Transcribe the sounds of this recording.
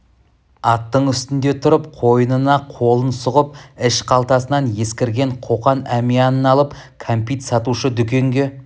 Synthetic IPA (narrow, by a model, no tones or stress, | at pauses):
ɑt̪ːəɴʏst̪ɪnd̪e̞t̪ʰʊɾəpqʰo̞jənənɑqʰo̞lˠənsʊʁəp̚ɪʃqʰɑlˠt̪ɑsənɑnje̞skʲɪɾɡʲe̞ɴqʰo̞qɑnæmijɑnənɑlˠəp | kʰompijt̪sɑt̪uʃəd̪ʏkʲe̞ŋɡʲe̞